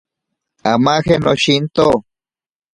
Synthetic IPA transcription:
amaxenoʃint̪o

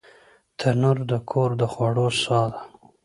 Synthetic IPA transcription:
t̪ʰanuɾd̪əkʰoɾd̪əxwaɽosɑd̪a

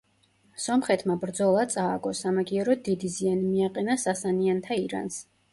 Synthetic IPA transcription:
sɔmχɛt̪ʰmabɾd̪zɔlˠat̪sʼaːɡɔsamaɡiɛɾɔd̪id̪izianimiaqʼɛnasasaniant̪ʰaiɾa̰ns

